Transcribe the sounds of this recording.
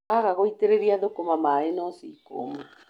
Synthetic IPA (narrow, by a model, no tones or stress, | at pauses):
aɣaɣoit̪eɾeɾiaðokomamaenosiko̰ma